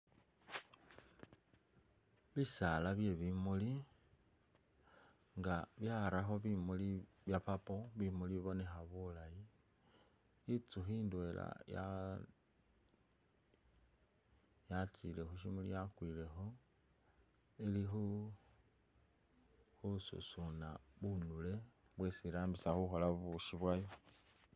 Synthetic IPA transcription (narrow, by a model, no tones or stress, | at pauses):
βisalaβje̞βimuli | ŋɡaβjaɾaxo̞βimuli | βjapapo̞βimuliβiβo̞ne̞xaβulaji | it͡suxiːndwe̞la̰ja | jat͡sile̞xuʃimulḭjakwile̞xo̞ | ilixu | xusṵsunaβunule̞ | βwesiɾaːmbisaxuxo̞laβuʃiβwajo